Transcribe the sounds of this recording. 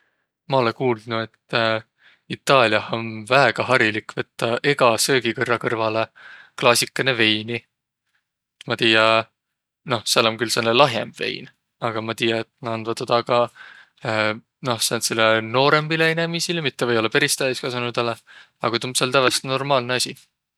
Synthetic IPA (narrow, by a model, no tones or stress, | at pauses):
mɑo̞lekuːld̪nuet̪ː | it̪ːˑɑːlʲiɑho̞nvæeɡ̥ɑɦɑɾilikːˑvɤt̪ːɑʔe̞ɡ̥ɑsø̞ːɡikɤrːɑkɤrvɑleklɑːsʲikːˑɑneve̞jni | mɑt̪iːjɑ | no̞hseloŋkylsenːelɑɦjemb̥ve̞̰jn | ɑɡ̥ɑmɑt̪iːjɑet̪ːˑnɑɑnvɑt̪od̪̥ɑkɑ | no̞hsɑnt̪selːeno̞ːɾe̞mbileinemisilmit̪ːevɤjo̞lːɑpeɾist̪æjskɑsɑnud̪̥ɑle | ɑ̰ɡ̥ɑt̪umselt̪ævest̪no̞rmɑːlneɑsʲi